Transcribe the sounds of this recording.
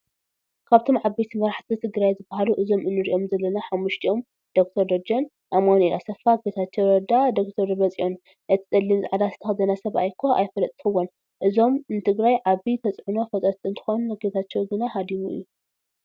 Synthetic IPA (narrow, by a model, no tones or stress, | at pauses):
kʰaβt̪ʰo̞mʕabet̪ʰimɐɾaħt̪ʰit̪ʰɨɡɾajzɨbːahaluʔɨzo̞mɨnːɨɾiʔo̞mzɐlːɐnaħamːuʃt̪ʰiʔom | d̪̥ok̚t̪ʰɐɾd̪od͡ʒɐn | ʔamonilasɐfaɡet̪ʰat͡ʃːɐwɾɐd̪ad̪ok̚t̪ʰɐɾβɐt͡sʼiʔo̞n | ʔɨt̪ʰi̥d̪ʼɐlːimzɨ̰ʕad̪asɨ̥t̪ʰɐxɐzɐnasɐβa̰jkʰːoʔa̰jfɐlɐt̪ʼt̪ɨxɨwːon | ʔɨzo̞mnɨt̪ʰɨɡɾajʕaβit̪ʰɐt͡sʼʕuno̞fɐt̪ʼɐt̪ʼɨnt̪ʰɨ̥xonuɡet̪ʰat͡ʃːɛwɡɨnaɦad̪imuɨ̰jːu